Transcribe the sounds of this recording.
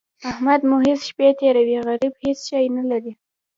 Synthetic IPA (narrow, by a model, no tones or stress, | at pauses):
ahmad̪muɦesʃpet̪eɾawiɣaɾibhesʃɑjnalaɾi